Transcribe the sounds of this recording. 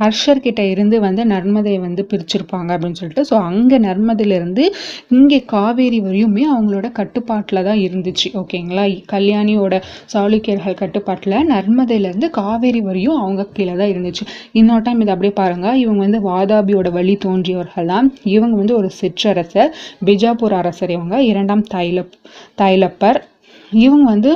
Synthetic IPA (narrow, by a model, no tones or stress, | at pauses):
hɐɾʂɐɾkɪʈːɐɪɾɯnd̪ɯʋɐnd̪ɯnɐɾmɐðɐjʋɐnd̪ɯpɪɾɪt͡ʃːɪɾɯpːaːŋɡɐɐpːɐɽɪnːɯsɔlːɪʈːɯsoːɐŋɡɐnɐɾmɐðɐjɪlɪɾɯnd̪ɯɪŋɡeːkaːʋeːɾiʋɐɾɪjɯmeːɐʋɐŋɡɐɭoːɽɐkɐʈːɯpːaːʈːɪlɐt̪ãːɪɾɯnd̪ɯt͡ʃːɯʔoːkeːŋɡɐɭaːkɐljaːnɪjoːɽɐsaːɭɯkːɪjɐɾɣɐɭkɐʈːɯpːaːʈːɪlɐnɐɾmɐðɐjlɐɪɾɯnd̪ɯkaːʋeːɾiʋɐɾɐjʊ̃ɐʋɐŋɡɐkːɪlɐt̪ãːɪɾɯnd̪ɯt͡ʃːɯɪnːoːʈ̬ːɐɪmɪðɐpːɐɽɪjepaːɾɯŋɡɐɪʋɐŋɡɐʋɐnd̪ɯʋaːðaːbijoːɽɐʋɐɭːit̪oːndrijɐʋɐɾɣɐɭt̪ãːɪʋɐŋɡɐʋɐnd̪ɯɔɾɯsɪʈrɐɾɐsɐbɪd͡ʒaːpuːɾɐɾɐsɐɾɪʋɐŋɡɐɪɾɐɳɖaːmt̪ɐlɐt̪ɐjlɐpːɐɾ | ɪʋɐŋɡɐʋɐnd̪ɯ